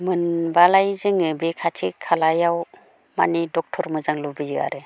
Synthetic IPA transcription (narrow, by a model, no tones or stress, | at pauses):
mɯnbalajzɯŋɯbekʰatʰikʰalajaw | ma̰nidɔk̚tʰɔɾmɯzaŋlubijɯa̰ɾe